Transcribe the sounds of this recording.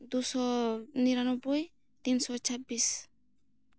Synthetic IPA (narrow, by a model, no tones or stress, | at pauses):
d̪usɔniɾanɔbuj | t̪insɔt͡ʃʰabis